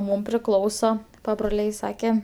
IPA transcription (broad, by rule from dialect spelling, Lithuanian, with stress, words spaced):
ˈmuːm pʲrʲɪˈklˠɐʊsoː pɐbroːˈlʲɛɪ ˈsɑːkʲɛ